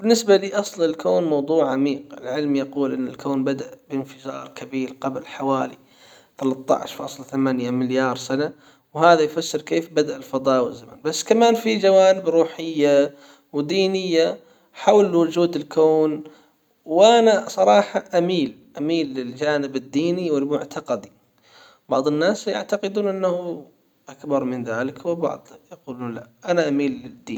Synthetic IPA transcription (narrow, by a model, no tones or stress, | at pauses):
bɪnːɪsbaliːʔɑsˤlɪlkoːnmɑwðˤuːʕʕamiːqɪ̰lʕɪlmjɑquːlʔɪnːɪ̰lkoːnbad̪aʔbɪnfɪd͡ʒɑ̰ːɾˤkʰabiːɾqablħawaːlḭ | θalɑt̪ˤːɑ̰ʕ̰ʃfɑ̰ːsˤlθamaːnjamɪljɑːɾˤsana | whaːðajfasːɪɾkeːfbad̪aʔɪlfɑd̪ˤɑːʔwɪzːama̰nbasːkamaːnfid͡ʒawaːnɪbɾuːħɪjːa | wd̪iːnɪjːa | ħawlwʊd͡ʒuːd̪ɪlkoːn | wʔanasˤɑɾˤɑːħɑʔamiːl | ʔamiːlːɪld͡ʒaːnɪbɪd̪ːiːniwɪlmʊʕt̪ʰaqɑd̪i | bɑʕðˤɪnːaːsja̰ʕt̪aqɪd̪uːnʔɪnːahu | ʔakbɑɾˤmɪnðaːlɪkwɪbɑ̰ʕd̪ˤjaquːluːnlaʔanaʔamiːlːɪd̪ːḭːn